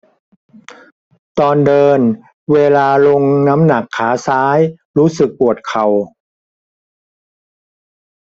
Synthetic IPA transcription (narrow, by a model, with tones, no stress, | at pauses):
t̪ɔː˧ndɤː˧n | weː˧laː˧lo˧ŋna˦˥mna˨˩kʰːaː˩˦saː˦˥j | ɾuː˦˥sɯ˨˩k̚pu˨˩ət̪̚kʰa˨˩w